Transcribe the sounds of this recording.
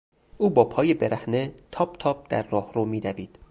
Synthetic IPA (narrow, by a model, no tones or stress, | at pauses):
ʔuːbɒːpʰɒːjebeɾæhnet̪ʰɒːb̚t̪ʰɒːb̚d̪̥æ̰ɾːɒːhɾomiːd̪æviːd̪̥